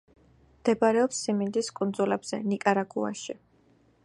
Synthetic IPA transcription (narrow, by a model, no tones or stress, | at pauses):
md̪̥ɛbaɾɛɔpsːimind̪iskʼund̪zulɛbz̥ɛnikʼaɾaɡua̰ʃi